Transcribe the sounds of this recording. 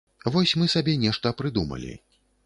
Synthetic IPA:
vɔsʲmɨsabʲɛnʲɛʂt̪ɐpɾɨd̪umɐ̰lʲḭ

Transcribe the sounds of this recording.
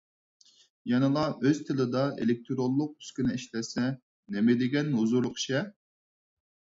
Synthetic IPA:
jɛnɨlˠɑʔøz̥t̪ʰɪlɪd̪ɑʔḛlɪk̚ʲt̪ʰɾolˠːʊq̚y̥skʲinɪiʃlɛsɛ | nemɪd̪ɪɡʲɛnɦuzuɾlˠʊqʃɛ

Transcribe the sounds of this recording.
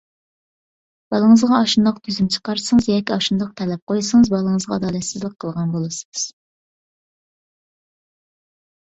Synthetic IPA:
b̥ɑlˠəŋəzʁɑɑʃund̪ɑqt̪ʰyzymt͡ʃʰə̥qɑɾsɨŋɨzjɑkʲiɑʃund̪ɑq̚t̪ʰɛlɛp̚qʰojsɨŋɨzbɑlˠəɴəzʁɑ̰ːd̪ɑːlɛt̪sɪzlˠəqʰːəlˠʁɑnbolˠɨsɨ̥ŋɨz̥

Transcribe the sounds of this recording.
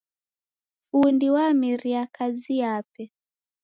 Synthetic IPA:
fundiwamiɾiakazijapɛ

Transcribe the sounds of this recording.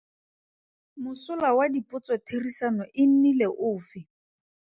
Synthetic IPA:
mʊsʊlawadipʼʊt͡sɔtʰerisanɔʔɪn̩nileʔʊːfɪ

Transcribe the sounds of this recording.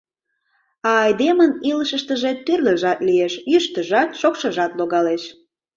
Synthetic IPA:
ɑːjd̪eməniləʃəʃt̪əʒet̪ːyrlə̆ʒɑt̪lieʃjyʃt̪əʒɑt̪ʃokʃəʒɑt̪loɣɑleʃ

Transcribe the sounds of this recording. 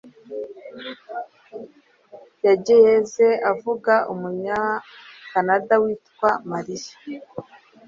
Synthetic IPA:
jaɟejezeavuɡaʔumuɲakanadawiːtkwamaɾiʃḁ

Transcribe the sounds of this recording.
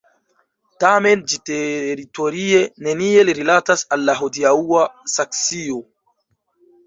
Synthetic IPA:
tame̞nd͡ʒiteɾito̞ɾie̞ne̞nie̞liɾilatasalːaɦodiauasaksio

